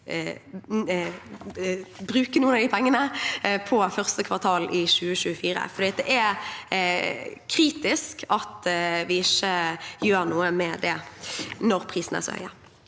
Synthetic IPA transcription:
bɾʉːkənuːənɑd̪ɪpʰɛŋːənəpʰɔfœʁst̪əkʰʋɑʁt̪ʰɑːlʔɪɕʉːəɕʉːəfiːɾə̰fɔʁd̪iːɑt̪̚d̪ɛʔæ | kʰɾiːt̪ɪskʰɑt̪ʋɪɪçəjøːɾnuːəmɛd̪ɛnɔɾpʰʁiːsnæ̰ʁsɔ̰hœ̰ʏə

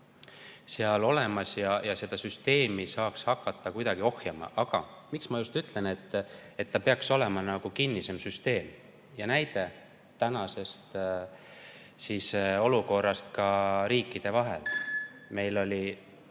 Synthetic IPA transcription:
seɑlo̞le̞mɑsjɑjɑse̞d̪̥ɑsyst̪e̞ːmisɑːkshɑkːɑt̪ːɑkujd̪̥ɑɡ̥io̞hjɑmɑ̰ʔɑɡ̥ɑ̰miksmɑjust̪yt̪ˑle̞ne̞t̪ːe̞t̪ːɑpe̞ɑkso̞le̞mɑnɑɡ̥ukinːise̞msyst̪e̞ːm | jɑnæjd̪̥e̞ | t̪ːænɑse̞st̪ | siso̞luko̞rːɑst̪kɑɾiːkˑːid̪̥e̞vɑɦḛlme̞jlo̞lʲi

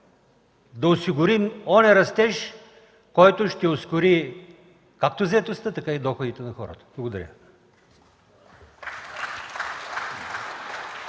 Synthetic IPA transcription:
d̪ɐosiɡʊɾimɔnɛɾɐst̪ɛʃ | kɔjt̪oʃt̪ɛoskʊɾi | kak̚t̪ozɐɛt̪ost̪ət̪ɐkaid̪ɔxʊd̪it̪ɛnɐxɔɾə̰t̪ə̥blˠɐɡod̪ɐɾʲə̰

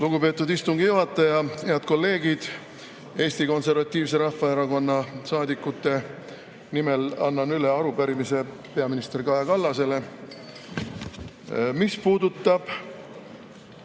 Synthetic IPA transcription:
luɡ̥upe̞ːt̪ːˑud̪ist̪uŋɡijuɦɑt̪ˑːɑjɑheɑd̪̚ko̞lːe̞ːɡ̥id̪̥ | e̞ːsʲt̪iko̞nse̞rvɑt̪ʲːˑiːvs̬e̞ɾɑhfɑeɾɑko̞nːɑsɑːd̪ikːˑut̪ːˑe̞ | nimelɑ̰nːɑnyleɑɾupæɾimise̞ | pe̞ɑminist̪erkɑjɑkɑlːɑse̞le̞ | mispuːd̪ut̪ːˑɑb̥

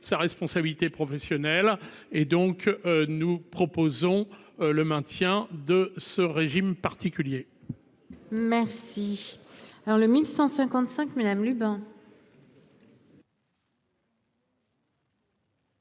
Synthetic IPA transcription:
saʁɛspɔ̃sabilit̪epχɔfɛsjɔnɛl | ed̪ɔ̃knupχɔpozɔ̃ləmɛ̃t̪jɛ̃d̪əsəʁeʒimpaʁt̪ikʲylje | mɛʁsi | aɔləmilsɑ̃sɛ̃kɑ̃t̪sɛ̃kmad̪amlybɛ̃

